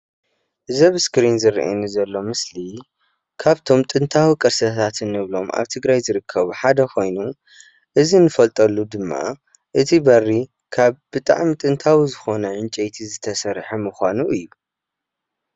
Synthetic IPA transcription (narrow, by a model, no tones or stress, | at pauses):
ʔɨzɐβɨskɾinzɨɾḭʔḛnuzɐlːo̞mɨsli | kʰaβt̪ʰo̞mt̪ʼɨnt̪ʰawikʼɐɾsɐt̪ʰat̪ʰɨnːɨβlo̞mʔa̰βt̪ʰɨɡɾajzɨɾɨkʰːɐβuħad̪ɐkʰo̞jnu | ʔɨzinɨfɐlt̪ʼɐlːud̪ɨmːa̰ | ʔɨt̪ʰibɐrːi | kʰaβbɨt̪ʼa̰ʕmit̪ʼɨnt̪ʰawizɨxo̞nɐʕɨnt͡ʃʼejt̪ʰizɨt̪ʰɐsɐɾħɐmɨxʷanuʔɨjːu